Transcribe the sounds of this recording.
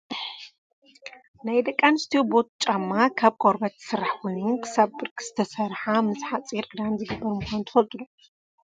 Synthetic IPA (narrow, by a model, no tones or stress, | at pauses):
najd̪ɐkʼːanɨst̪ʰijobo̞t̪̚t͡ʃʼamːakʰaβkʰoɾbɐt̪ʰɨ̥sɨɾaħkʰojnunkʰɨ̥sabbɨɾkʰʼɨz̥ɨt̪ʰɐsɐɾħamɨzħat͡sʼiɾʔɨd̪anzɨɡɨbːɐɾmɨxʷannt̪ʰɨfɐlt̪ʼulo